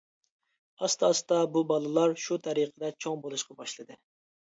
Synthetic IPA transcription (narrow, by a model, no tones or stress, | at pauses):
ɑst̪ʰɑsɨ̥d̪ɑbubɑlˠɨlˠɑɾʃut̪ʰɛɾiqʰəd̪ɛt͡ʃʰoŋbolˠuʃqɑbɑʃlˠɨd̪ɨ